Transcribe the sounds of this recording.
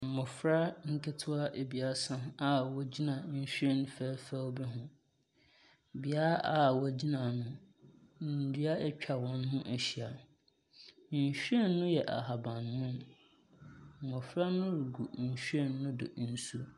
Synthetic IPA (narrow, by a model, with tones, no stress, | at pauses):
m̩˨mʊ˨fɾa˦ŋ̩˦kʰɪ˦tʰʊ˦a˦ʔe˨bi˨a˨˦sã˦a˨wɔ˦d͡ʑi˦nã˨ɲ̩˦ɕᶣɛ˦˨ñ˦fæ˦fɛ˦wbɛ˦ɦʊ̃˨ | bi˨a˦ɾa˦ʔa˦˨wɔ˦d͡ʑi˦nã˨nʊ̃˦ | n˨n̩˨di˦a˦ɛ˦t͡ɕᶣʰa˨wɔ̃˦n˦ɦʊ̃˦ʔæ˨ɕi˨a˨ | n̩˨ɕᶣe˦nːʊ̃˦jɛ˨ʔa̰˨ɦa˨bã˨n˨mʊ̃˦m | m̩˨mʊ̃˨fɾa˦nʊ̃˦ɾi˨ɡu˨ɲ̩˨ɕᶣɛ˦˨nːʊ̃˦dʊ̰˨n̩˨su˦